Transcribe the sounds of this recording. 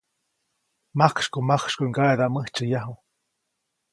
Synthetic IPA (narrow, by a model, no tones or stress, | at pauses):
makʂkomakʂkoiŋɡaed̪aməht͡ʃɨjaɦu